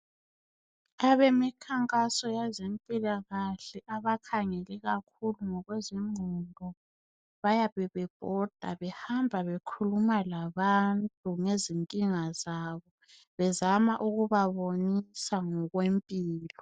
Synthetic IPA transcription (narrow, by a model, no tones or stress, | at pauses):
aβemikʰaŋkʼasɔjazempʼilaɣaɬɛʔaβakʰaŋɛlɛɣakʰuluŋɔɣwɛziŋ͡ǀʱɔndʱɔ | βajaβɛβɛb̥ʱɔd̥ʱa̰βɛhambʱaβekʰulumalaβantʼuŋeziŋkʼiŋazaβɔ | βɛzamaʔuɣuβaβonisaŋɔɣwempʼiːlɔ